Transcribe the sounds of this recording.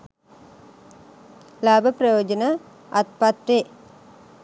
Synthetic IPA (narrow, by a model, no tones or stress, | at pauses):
laːbʱəprɐjoːd͡ʒənə | at̪̚pat̪ɾe